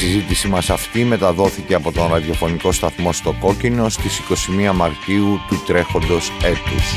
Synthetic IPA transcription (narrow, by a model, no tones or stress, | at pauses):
sizit̪isimɐsɐft̪ime̞t̪ɐðo̞θice̞ɐpo̞t̪o̞nɾɐðjo̞fo̞niko̞st̪ɐθmo̞st̪o̞ko̞cino̞st̪isiko̞simiɐmɐɾtiut̪ut̪ɾe̞xo̞nd̪o̞se̞t̪us